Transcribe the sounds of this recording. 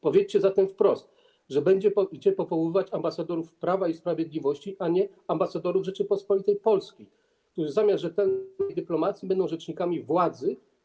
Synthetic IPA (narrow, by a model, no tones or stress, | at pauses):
pɔvʲjet͡ɕt͡ɕɛzat̪ɛmfpɾɔst̪ | ʐɛbɛɲd͡ʑɛpɔid͡ʑɛpɔvɔwɪvat͡ɕambasad̪ɔɾufpɾavaispɾavʲjed̪lʲivɔɕt͡ɕiʔaɲɛ | ambasad̪ɔɾuvʐɛt͡ʂɘpɔspɔlʲit̪ɛjpɔlskʲi | kt̪uʐzamʲjasʐɛt̪ɛlnɛjd̪ɘplɔmat̪sʲjibɛnd̪ɔ̃w̃ʐɛt͡ʂɲikamʲivwad̪zɘ